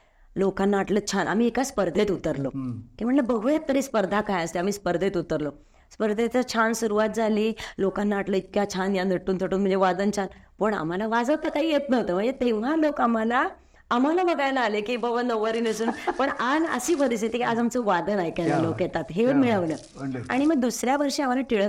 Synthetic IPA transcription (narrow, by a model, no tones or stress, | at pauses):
lokanːaaʈlət͡ɕʰanʔa̰m̤iːekaspəɾd̪ʱet̪ut̪əɾlokim̤əɳʈləbəɡʱjet̪ːəɾiːspəɾd̪ʱakajəst̪eam̤iːspəɾd̪ʱet̪ut̪əɾlo | spəɾd̪ʱet̪ət͡ɕʰansuɾuʋat̪̚d͡zaliːlokanːaaʈləit̪̚kjat͡ɕʰanjanəʈːuːnt̪ʰəʈuːnm̤əɳnd͡zeʋad̪ənt͡ɕʰanpəɳa̰m̤alaʋad͡zəʋt̪əkaɦiːjet̪nəʋot̪əːm̤əɳd͡zet̪eʋ̤alokamalaː | m̤alabəɡajlaːlekibəʋənd̪əʋəɾiːnəsuːnpəɳanə̰siːpəɾist̪it̪ikiad͡zamt͡səʋad̪ənajkjanalokjet̪at̪ɦeʋəɾmiɭəʋnəː | a̰ɽ̃iməɡ̚d̪usɾjaʋəɾʂeam̤alaʈiɭə